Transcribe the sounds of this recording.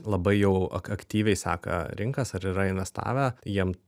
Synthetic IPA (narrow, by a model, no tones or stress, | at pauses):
lˠɐbɐɪjɛʊɐ̰kɐkt̪ʲiːʋʲɛɪsɑ̰ːkɐ̰ɾʲɪŋkɐsɐɾiɾɐɪnʋʲɛst̪ɑ̰ːʋʲæjiɛm